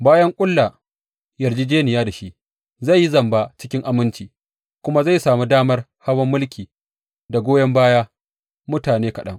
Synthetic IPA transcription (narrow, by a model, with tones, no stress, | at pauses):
baː˦jɐ˦ŋkʷʼʊ˦lːa˨ | jɐ˨rd͡ʒiː˦d͡ʒeː˦nɪ˨jaː˦da˨ʃi˦ʔ | za˦˨jːi˦zɐ˨mba˦t͡ʃɪ̥˦kʲɪ˦ŋʔa˨mɪ˦nt͡ʃiː˨ | kʷʊ˦ma˦za˦˨jsaː˨mu˦daː˦mɐ˦rha˦wɐ˦mːʊ˦lkʲiː˨ | da˨ɡʷoː˦jɐ˦mbaː˦jaː˦ | mʊ˦taː˨neː˦kɐ˨ɗɐ̰˦ŋ